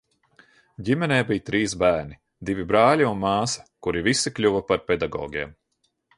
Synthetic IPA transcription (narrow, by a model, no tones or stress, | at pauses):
ɟʲimɛnɛːbijt̪ɾiːsbæːɾni | d̪ivʲibɾaːlʲiunmɑːsɐ̥kuɾivisiklʲuvɐpaɾpʲɛd̪aɡɔ̰ːɡʲeɛm